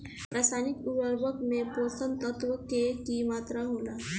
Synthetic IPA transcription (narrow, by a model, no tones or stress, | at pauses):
pɾasanikuʋəɾbəkmeposənt̪ət̪ʋəkekimat̪ɾaɦola